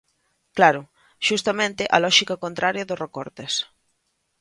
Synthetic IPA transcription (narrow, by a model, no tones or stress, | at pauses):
klaɾʊ | ʃust̪amẽnt̪ɪʔɐlɔʃikakont̪ɾʔaɾjɐðorekoɾt̪es